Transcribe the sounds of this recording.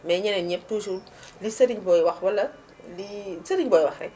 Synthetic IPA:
mɛɲɐnɛɲɛp̚tusul | lisɐɾiɲbɔjwɐxwɐlɐt | lisəɾiɲbɔjwɐxrɛ̰

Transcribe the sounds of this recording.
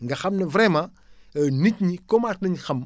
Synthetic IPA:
ŋɡɐxɐmnɐvɾɛmã | ɐnitɲikomatnɐɲxɐm

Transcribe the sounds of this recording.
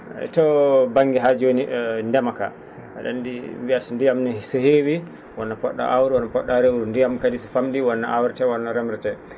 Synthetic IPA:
ɛ̰tɔbaŋɡɛɦaɾd͡ʒoniʔndɛmaka̰ | a̰ɗa̰ndiwiasndijamnɔsɛhewi | wɔnːapɔɗːa̰ʔawɾiwɔnapɔɗːaɾɛwɾundijamkadisifamdiwɔnːaʔawɾɛtɛwɔnːaɾɛmɾɛtɛ

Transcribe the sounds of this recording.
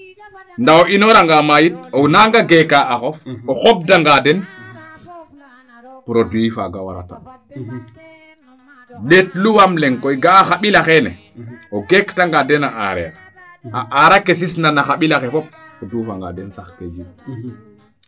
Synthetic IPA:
ndaɔinɔɾaŋɡamajit̚ɔnaŋɡaɡɛkaʔːxɔfɔxɔb̚daŋɡadɛn | pɾodwifaɡawa̰ɾa̰ta̰ | letluwamlɛŋkɔjɡaːxaɓilaxɛnɛ̰ | ɔɡektaŋɡadɛnaʔa̰ɾɛ̰a̰ | aʔaɾakes̬isnanaxaɓilaxɛfɔp̚odufaŋɡa̰dɛnsaxted͡ʒi

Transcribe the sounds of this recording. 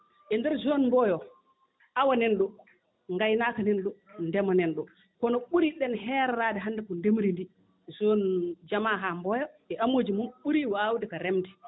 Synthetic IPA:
ʔɛndɛɾzonmbɔjɔ | ʔawanɛnɗɔ | ŋɡajnakanɛnɗɔndɛmanɛnɗɔ | kɔnɔɓuɾiɗɛnɦɛːɾɛɾadɛɦandɛkɔndemɾindi | zond͡ʒamaɦambɔjɔ | ɛʔamoːd͡ʒimunɓuɾiwawdɛkaɾɛmdɛ

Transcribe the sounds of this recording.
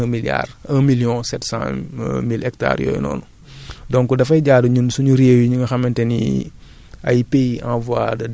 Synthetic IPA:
milja̰ːrə̃miljɔ̃sɛtsã̰milɛk̚ta̰ːɾjɔ̰ːj̰nɔ̰ːnu | dɔ̃ŋkːudɐfɐjɟaːduɲunsuɲuɾewiɲuŋɡɐxɐmɛntɛnḭ | ɐ̰jpejã̰vwadɐ

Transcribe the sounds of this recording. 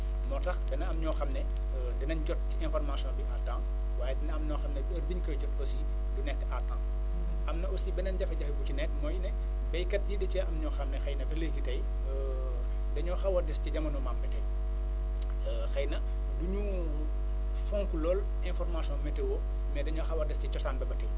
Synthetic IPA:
mɔtɐxtɛnɐɐmɲɔːxɐmnɛ | dɐnɐnɟɔt̚ciɛ̃nfɔrmasijɔ̃nbiʔatːãŋ | waːjɛdɛnɐɐmɲɔːxɐmnɛɐrbiɲkɔjɟɔtosi | dunɛkːatːãŋ | ɐmnɐosibɛnɐnɟɐfɐɟɐfɛbut͡ʃinɛkːmɔːjnɛ | bɐjkɐt̚ɟidɐcɛʔɐmɲɔːxɐmnɛxɐjnɐbɛləɡitɐj | dɐɲɔxɐwɐrdɛsciɟɐmɐnɔmambɐtɛ | xɐjnɐ | duɲu | fɔŋkulɔːl | ɛnfɔrmasiɔ̃nmɛtɛwɔ | mɛdɐɲɔxɐwɐdɛscit͡ʃɔsaːnbɐbɐtɛ

